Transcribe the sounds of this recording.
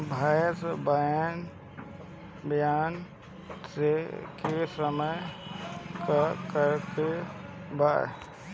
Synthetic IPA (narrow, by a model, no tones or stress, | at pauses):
bʱajsbəjan | bjaːn | sekesəməj | kakəɾk̪e | baː